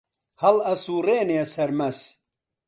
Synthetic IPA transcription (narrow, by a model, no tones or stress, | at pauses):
hɐlɐsuːreːneɛsɐɾmɐs